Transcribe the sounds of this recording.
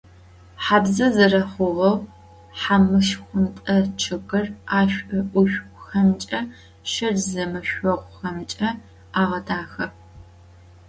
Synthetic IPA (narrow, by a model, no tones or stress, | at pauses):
ħaːbzɐzɨrɐχʷʊʁɐw | ħamɨʃxʷʊntʼɐt͡ʃʰɨɡɨraːɕʷʼɐʔʷʊɕʷxɐmt͡ʃʼɐ | ʃɨrzɐmɐɕʷɔʁʷxɐmt͡ʃʼɐ | aːʁɐdʰaːxɐ